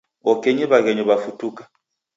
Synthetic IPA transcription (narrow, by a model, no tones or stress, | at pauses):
ɔkɛɲɛβaɣɛɲɔβafutukḁ